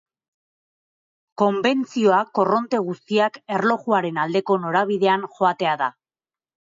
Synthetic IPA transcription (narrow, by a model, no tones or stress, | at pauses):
ko̞mbe̞nt͡sio̞akːo̞ro̞nt̪e̞ɣ̞ust̪iake̞rlo̞ɣuaɾe̞nald̪e̞ko̞no̞ɾaβ̞iðe̞anʝo̞at̪e̞aða